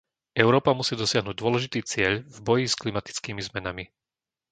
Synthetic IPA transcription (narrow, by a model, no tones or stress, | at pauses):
ʔɛʊɾɔːpamusiːd̪ɔsɪaɦnuːɟ̚d̪ʊɔlɛʒit̪iːt͡sɪɛʎvbɔjisklimat̪i̥t͡skiːmizmɛnami